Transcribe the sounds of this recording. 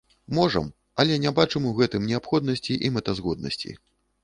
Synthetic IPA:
mɔʐɐ̰m | ɐlʲɛnʲɛbat͡ʂɨmuɣɛt̪ɨmnʲɛapxɔd̪nɐsʲt͡sʲiʔimɛt̪ɐzɣɔd̪̚nɐ̰sʲt͡sʲḭ

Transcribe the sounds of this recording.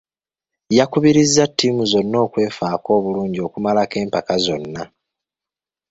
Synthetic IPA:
jakuβiɾizːatːimuzo̞nːo̞ːkwe̞ːfaːko̞ːβuluːɲɟio̞kumalake̞ːmpakazo̞nːa

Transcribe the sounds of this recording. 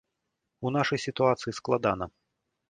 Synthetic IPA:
unaʂɐjsʲit̪uat̪sɨjisklˠad̪anɐ

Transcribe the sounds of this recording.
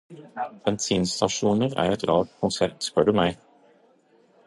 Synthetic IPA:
b̥ɛnsiːnst̪ɑʃuːnəɾæ̰ːɾɛt̪ɾɑːɡ̚t̪kʰʊnsæɾt̪spœɖʉmæɪ

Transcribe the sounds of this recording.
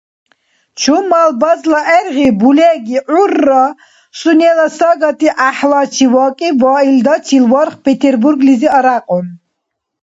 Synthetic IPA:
t͡ʃʰumːalbazlaʔɛɾʁibulɛɡiʔurːa | sunɛlasaɡat̪ʰiʔaħlat͡ʃʰivɔːkʼivaːild̪at͡ʃʰilvɔɾχpʰɛt̪ʰɛɾbuɾɡliziaɾaqʼɔn

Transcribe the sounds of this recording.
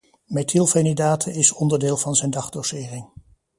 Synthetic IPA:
mɛtʰilˠfenidaːtʰəɪsɔndəɹdɪːlˠvɑnzɛjndɑχdosɪːrɪŋ

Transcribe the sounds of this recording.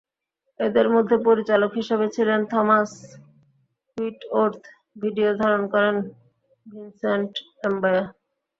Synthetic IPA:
ed̪eɾmod̪ʱːepoɾit͡ɕalokɦiʃebet͡ɕʰilent̪ʰɔmas | iʈoɾt̪ʰ | bʱiɖiod̪ʱaɾonkɔɾen | bʱinseɳʈ | embaja

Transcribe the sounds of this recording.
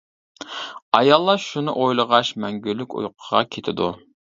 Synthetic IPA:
ɑjɑlˠːɑʃunɨʔojlˠəʁɑʃmɛŋɡʲylːykʲṵjqʰəʁɑkʲʰet̪ʰɪd̪ṵ

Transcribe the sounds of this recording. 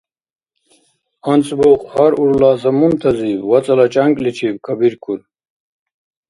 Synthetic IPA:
ɐnt͡sboqhaɾuɾlaːzɐmunt̪ʰɐziːbwɐt͡sɐlɐt͡ɕɐŋklit͡ɕʰibkʰɐbiɾkʰul

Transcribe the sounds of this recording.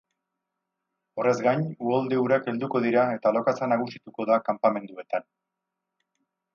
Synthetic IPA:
o̞re̞zɡaɲuold̪euɾake̞ld̪uko̞ð̞iɾae̞t̪alo̞kat͡sanaɣ̞usit̪uko̞ðakampame̞nd̪ue̞t̪an

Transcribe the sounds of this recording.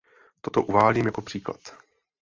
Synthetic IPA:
t̪ot̪oʔuvaːliːmjako̞pr̥iːkla̰t̪

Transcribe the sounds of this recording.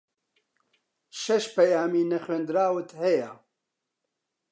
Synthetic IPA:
ʃɛʃpɛjaːmiːnɛxeːnd̪ɨɾaːwɨt̪hɛja

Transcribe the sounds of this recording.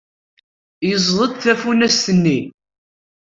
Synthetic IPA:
jəzˤðˤəd̪θæfunæst̪ənːi

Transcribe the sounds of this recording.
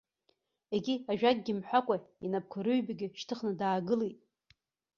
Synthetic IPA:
eɡʲiaʒᶣaɡ̚ʼɡʲɪmħʷᶣakʷʼainap̚kʰaɾɨɥbaɡʲɪʃtʰɨχnɨdaːɡɨlijtʼ

